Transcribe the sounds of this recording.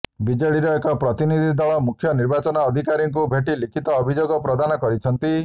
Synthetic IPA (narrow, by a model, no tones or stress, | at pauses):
bid͡ʒɔɽiɾɔekɔpɾɔt̪inid̪ʱid̪ɔɭɔmukʰːjɔniɾbat͡ʃɔnɔːd̪ʱikaɾiŋk̬ubʱeʈilikʰit̪ɔːbʱid͡ʒoɡɔpɾɔd̪anɔkɔɾit͡ʃʰɔnt̪i